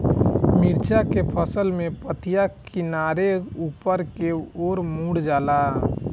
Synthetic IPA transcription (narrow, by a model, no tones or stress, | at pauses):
mɪɾt͡ʃʰakepʰəsəlmẽpət̪ʰɪjakɪnaːɾeuːpəɾkeoːɾmuːɽd͡ʒaːla